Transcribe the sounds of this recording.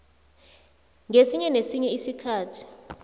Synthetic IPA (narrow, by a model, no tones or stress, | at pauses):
ŋesiɲɛnesiɲɛisikʰaːtʰi̥